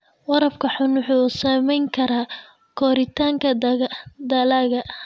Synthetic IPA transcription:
wɑɾɐbkʰɐħʊnwʊħuːsɐmɛjŋkʰɐɾaː | kʰɔːɾɪt̪ʰaːŋkʰɐd̪ɐlaːɣɐʔ

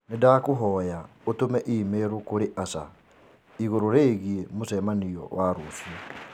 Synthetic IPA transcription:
nedaːkoɦɔːjaotomɛʔiːmeɾokoɾeʔasa̰ | iɣoɾoɾeːɣiemosɛmaniɔ̰waɾosiɔ

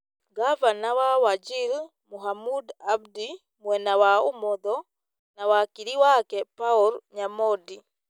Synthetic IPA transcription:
ɡavanawawad͡ʒil | muɦamudabdi | mwɛnawaumɔðɔ | nawakiɾiwakɛpauɾɲamɔdi

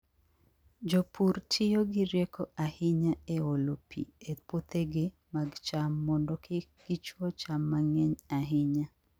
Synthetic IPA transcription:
d͡ʒopʰuɾtʰɪjoɡɪɾjɛkʰɔahɪɲaeolopʰḭepot̪eɡɪ | maɡt͡ʃamːɔndɔkɪɡ̥ɪt͡ʃwɔt͡ʃamːaŋɛɲaɦɪɲa

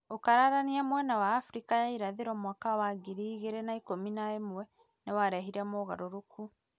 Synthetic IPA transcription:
okaɾaɾaniamwɛnawaːfɾikajaiɾaðeɾɔmwakawaɡiɾiːɣeɾenaikominaemwɛ | newaɾɛɦiɾɛmoːɣaɾoɾokʰu

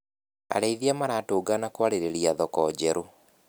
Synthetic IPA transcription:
a̰ɾɛiðiamaɾatoːɡanakwaɾeɾeɾiaðɔkɔːd͡ʑɛɾo

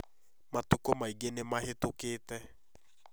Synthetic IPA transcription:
matukomaiɡenemahetokeːtɛ

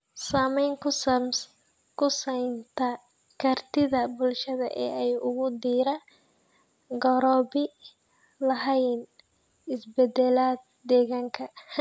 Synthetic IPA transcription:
saːmɛjŋkʰʊs | kʰʊsɐjnt̪ʰɐ | kʰɐrt̪ʰɪðɐbʊlʃɐðɐ̰ʔɛ̰ːɛjʊɣʊd̪iːɾa | ɡɔɾɔːbɪ | lɐɦɛjn | ɪsbɛd̪ɛlaːd̪̚ | d̪ɛːɣaːŋkʰɐ

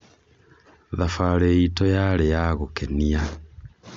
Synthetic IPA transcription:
ðafaɾeitɔjaɾejaɣokɛnia

